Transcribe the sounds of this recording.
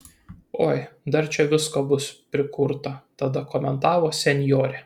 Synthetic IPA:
oːjd̪ɐɾt͡ʃʲɛʋʲɪskoːbʊspʲɾʲɪkʊɾt̪ɐt̪ɐd̪ɐkɔːmʲɛnt̪ɑːʋoːsʲɛnʲjoːɾʲɛ

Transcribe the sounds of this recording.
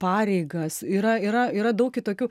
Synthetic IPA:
pɑːɾʲɛɪɡɐsiːɾɐiːɾɐiːɾɐd̪ɐʊk̚ʲɪt̪oːkʲuː

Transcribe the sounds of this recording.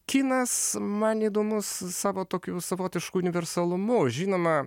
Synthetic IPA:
kʲiːnɐsmɐniːd̪oːmʊssɑːʋoːt̪oːkʲuːsɐʋoːt̪ʲɪʃkuːʊnʲɪʋʲɛɾsɐlˠʊmʊʒʲiːnoːmɐ

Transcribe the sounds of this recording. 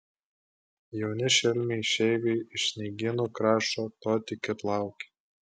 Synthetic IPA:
jɛʊnʲɪʃʲɛlʲmʲɛɪʃʲɛɪʋʲɛɪɪʃsʲnʲɛɪɡʲɪnuːkɾɑːʃoːt̪oːt̪ʲɪkʲɪtlˠɑˑʊkʲe̥

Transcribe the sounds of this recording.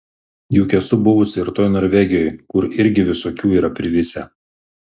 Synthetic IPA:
juːkʲɛsʊbʊʋʊsʲɪɪɾt̪oːjnɔːɾʲʋʲɛɡʲɪjojkʊɾɪɾʲɡʲɪʋʲɪsoːkʲuːiːɾɐpʲɾʲɪʋʲɪsʲɛ

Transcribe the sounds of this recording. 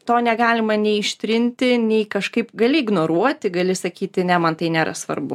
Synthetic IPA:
t̪oːnʲɛɡɑːlʲɪmɐnʲɛɪɪʃʲt̪ʲɾʲɪnʲt̪ʲɪnʲɛɪkɐʃkɐɪpɡɐlʲɪɪɡnoːɾuɔt̪ʲɪɡɐlʲɪsɐkʲiːt̪ʲɪnʲɛmɐnt̪ɐɪnʲeːɾɐ̰sʋɐ̰rbʊ̰

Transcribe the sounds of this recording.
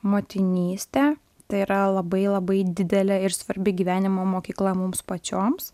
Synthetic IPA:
moːt̪ʲɪnʲiːsʲt̪ʲɛ | t̪ɐɪiɾɐlˠɐbɐɪlˠɐbɐɪd̪ʲɪd̪ʲɛlʲɛɪɾsʋɐɾʲbʲɪɡʲiːʋʲæːnʲɪmoːmoːkʲiːklˠɐmʊmspɐt͡ʃʲoːms

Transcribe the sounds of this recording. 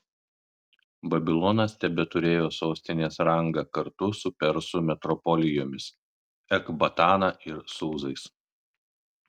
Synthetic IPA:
bɐbʲɪlˠɔnɐst̪ʲɛbʲɛt̪ʊɾʲeːjoːsoːsʲt̪ʲɪnʲeːsɾɐŋɡɐːkɐɾt̪ʊsʊpʲɛɾsʊmʲɛt̪ɾɔpɔlʲɪjoːmʲɪs | ɛkbɐt̪ɑːnɑːʔɪɾsuːzɐɪs

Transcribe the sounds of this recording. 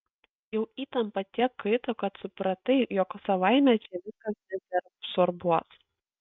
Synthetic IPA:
jɛʊiːt̪ɐmpɐt̪ʲiɛkkɐɪt̪okɐt̪sʊpɾɐt̪ɐɪjɔksɐʋɐɪmʲɛt͡ʃʲɛʋʲɪskɐsbʲɛpʲɛɾɐpsɔɾbuɔs

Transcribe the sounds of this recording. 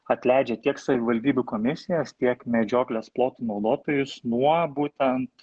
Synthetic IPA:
ɐt̪ʲlʲæɪd͡ʒʲɛt̪ʲiɛksɐʋʲɪʋɐlʲd̪ʲiːbʲʊkoːmʲɪsʲɪjɛst̪ʲiɛkmʲɛd͡ʒʲoːklʲɛsplˠoːt̪unɐʊd̪oːt̪oːjʊsnuɔbuːt̪ʲɛnt̪

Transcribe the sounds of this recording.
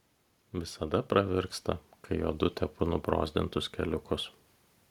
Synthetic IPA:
ʋʲɪsɐd̪ɐpɾɐʋʲɪɾkst̪ɐkɐɪjoːd̪ʊt̪ʲɛpʊnʊbɾo̰ːzʲd̪ʲɪ̰nt̪ʊskʲɛlʲʊkʊs

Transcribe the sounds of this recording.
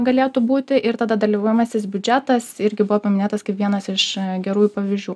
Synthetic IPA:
ɡɐlʲeːt̪ubuːt̪ʲɪʔɪɾt̪ɐːd̪ɐd̪ɐlʲiʋoːjɛmɐsʲɪsbʲʊd͡ʒʲæt̪ɐsɪɾʲɡʲɪbʊʋoːpɐmʲɪnʲeːt̪ɐskɐɪpʋʲiɛnɐsɪʃɡʲɛɾuːjuːpɐʋʲiːzʲd͡ʒʲuː

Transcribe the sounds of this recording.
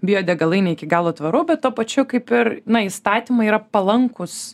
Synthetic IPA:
bʲɪjoːd̪ʲɛɡɐlˠɐɪnʲɛɪɪkʲɪɡɑːlˠoːt̪ʋɐɾʊbʲɛt̪t̪oːpɐt͡ʃʲʊkɐɪpɪɾnɐist̪ɑːt̪ʲimɐiːɾɐpɐlˠɐŋkʊs

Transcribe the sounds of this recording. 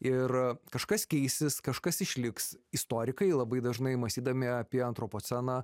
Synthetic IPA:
ɪrkɐʃkɐskʲɛɪsʲɪskɐʃkɐsɪʃʲlʲɪksɪst̪oːɾʲɪkɐɪlˠɐbɐɪd̪ɐʒnɐɪmɐsʲt̪ʲiːd̪ɐmʲɪɐpʲiɛɐnt̪ɾopoːsʲɛnɑː

